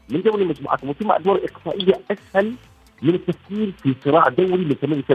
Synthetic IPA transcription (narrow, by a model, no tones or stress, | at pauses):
mɪnd̪awlimad͡ʒmṵːʕa̰t̪mʊt̪ɪmːaʔd̪wɑːɾˤʔɪq̚saːʔɪjːaʔashal | mɪnɪt̪ːafkiːɾfisˤɨɾɑːʕd̪awɾimɪnkamanɪsa